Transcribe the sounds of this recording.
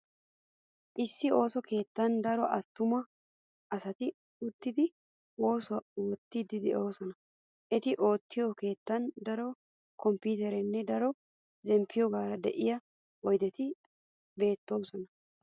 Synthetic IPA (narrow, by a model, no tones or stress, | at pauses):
ʔɪsːɪo̞ːsɔke̞ːt̪ːɐnd̪ɐɾɔʔɐt̪ːʊmɐ | ʔɐsɐt̪ɪ | ʊt̪ːɪd̪ɪ | wo̞ːsʊwɐwɔt̪ːɪd̪ɪd̪ɛʔo̞ːsɔnɐ | ʔɛt̪ɪʔo̞ːt̪ːɪjɔke̞ːt̪ːɐnd̪ɐɾɔ | kɔmpiːt̪ɛɾɛnːɛd̪ɐɾɔ | zɛmpʰːɪjɔɡaːɾɐd̪ɛʔɪjɐ | wɔjd̪ɛt̪ɪ | be̞ːt̪ːo̞ːsɔnɐ